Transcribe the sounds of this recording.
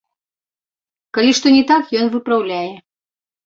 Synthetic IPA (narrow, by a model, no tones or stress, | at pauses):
kalʲiʂt̪ɔnʲɛt̪akjɔnvɨpɾawlʲæjɛ